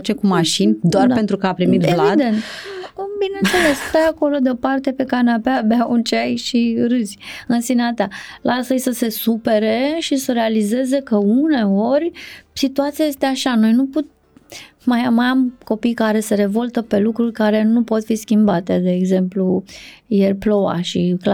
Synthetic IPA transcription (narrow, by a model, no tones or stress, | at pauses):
t͡ʃekumaʃinʲd̪oard̪ape̞nt̪ɾukəapɾimit̪elavid̪e̞nt̪ambinensele̞sst̪ajako̞lo̞d̪opart̪e̞pe̞kanapeabeaunt͡ʃeajʃiɾɨzʲɨnsinat̪alʔasəjsəse̞supe̞ɾe̞ʃisəɾe̞alize̞ze̞kəune̞o̞rʲsit̪uat̪sijaje̞st̪e̞aʃano̞jnuput̪ | majamajamko̞pijkaɾe̞se̞ɾe̞vo̞lt̪əpe̞lukɾurʲkaɾe̞nupo̞t̪fiskʲimbat̪e̞d̪e̞ːɡze̞mplujerʲplo̞wa̰ʃikla